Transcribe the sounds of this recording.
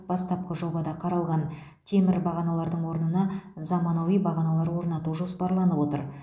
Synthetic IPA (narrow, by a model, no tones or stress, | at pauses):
bɑst̪ɑp̚qəʒo̞bɑd̪ɑqʰɑɾɑlˠʁɑn | t̪ʰe̞mɪɾbɑʁɑnɑlˠɑɾd̪əɴwo̞ɾnənɑzɑmɑnowijbɑʁɑnɑlˠɑɾwo̞ɾnɑt̪uʒo̞spɑɾlˠɑnəpwo̞t̪əɾ